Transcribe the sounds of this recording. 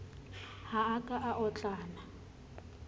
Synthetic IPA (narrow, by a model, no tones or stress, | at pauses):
haakʼaʔaʔɔt͡ɬʼaːna